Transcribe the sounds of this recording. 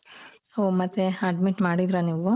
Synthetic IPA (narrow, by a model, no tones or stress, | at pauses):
omɐt̪ːeɐɖmiʈmaːɽid̪ɾɐniːʋu